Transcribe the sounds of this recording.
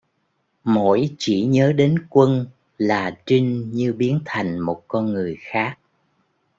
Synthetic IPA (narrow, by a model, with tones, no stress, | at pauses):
mo̰˧˩˥jt͡ɕi˧˩ɲəː˨˦ɗe˨˦nkwə˧n | laː˨˩t͡ɕi˧ŋ̟ɲɨ˧ɓi˨˦ənt̪ʰa˨˩jŋ̟mo˨˩t̚kɔ˧nŋɨ˨˩əjxaː˦˥k̚